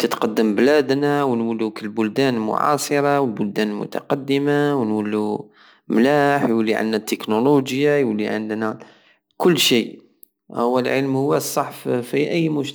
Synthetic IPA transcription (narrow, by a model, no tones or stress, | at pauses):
t̪ət̪qɑd̪ːəmblæd̪nawnwəlːukəlbʊld̪ænlmʊ̰ʕɑ̰sˤəɾˤɑwəlbʊld̪ænmʊ̰t̪ɑ̰qɑd̪ːəmawənwəlːu | mlæħjwəlːiʕə̰nd̪næt̪ːəknoluʒjajwliʕə̰nd̪næ | kʊlːʃij | hʊwːælʕəlmhʊwːæsˤːɑħffiʔæjːmʊʃ